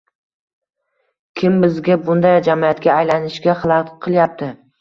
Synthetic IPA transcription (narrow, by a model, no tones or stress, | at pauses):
kʲʰɪmbɪzɡʲabʊnd̪ajd͡ʒamiat̪kʲaːjlanɪʃɡʲaχɨlˠɑqʰɨlˠjap̚t̪ʰɪ